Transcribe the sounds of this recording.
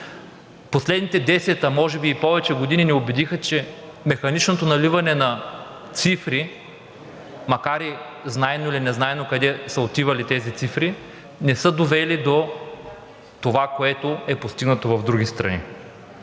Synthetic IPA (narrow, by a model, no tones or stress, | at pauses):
poslɛd̪nit̪ɛd̪ɛsɛt̪əmɔʒɛbiːpɔvɛt͡ʃɛɡod̪ininɛobɛd̪ixət͡ʃɛ | mɛxɐnit͡ʃnot̪onɐlivɐnɛnɐ | t̪sifɾi | mɐkaɾi | znaɛnoilinɛznaɛnokɐd̪ɛsəot̪ivɐlit̪ɛzit̪sifɾi | nɛsɤd̪ovɛlid̪o | t̪ovakoɛt̪oɛpost̪iɡnɐt̪ovɐvd̪ɾuɡ̟ʲist̪ɾɐ̰nḭ